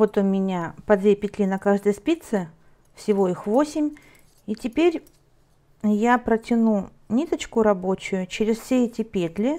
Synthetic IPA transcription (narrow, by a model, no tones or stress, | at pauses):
vo̞t̪ʊmʲɪnʲapɐd̪vʲepʲɪt̪ʲlʲinɐkaʐd̪əjspʲit̪sɨ | fsʲɪvo̞ixvo̞sʲɪmʲ | itʲɪpʲeɾʲ | japɾətʲɪnu | nʲit̪ət͡ɕkʊɾɐbo̞t͡ɕʊjʊt͡ɕɪɾʲɪsfsʲeɛtʲɪpʲet̪ʲlʲɪ